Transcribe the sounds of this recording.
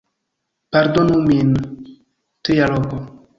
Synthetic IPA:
paɾd̪onumin | t̪ijalɔko

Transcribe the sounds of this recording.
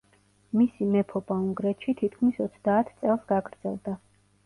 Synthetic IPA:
misimɛpʰɔbauŋɡɾɛt̪ʃit̪ʰit̪̚ʰkʰmisɔt̪sʰd̪aːt̪ʰt̪sʼɛlˠsɡaɡɾd̪z̥ɛlˠd̪a

